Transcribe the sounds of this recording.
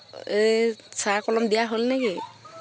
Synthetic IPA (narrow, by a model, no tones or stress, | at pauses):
esaɹkɔlɔmdijaɦolnɛɡi